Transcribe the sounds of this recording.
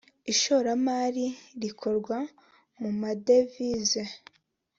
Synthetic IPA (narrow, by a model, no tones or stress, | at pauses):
iʃoɾamaːɾiɾikʰoɾɡwa | mumade̞vize